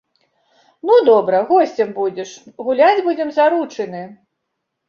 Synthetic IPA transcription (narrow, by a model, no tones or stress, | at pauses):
nud̪ɔbɾɐɣɔsʲt͡sʲɛmbud͡zʲɛʂɣulʲad͡zʲbud͡zʲɛmzaɾut͡ʂɨnɨ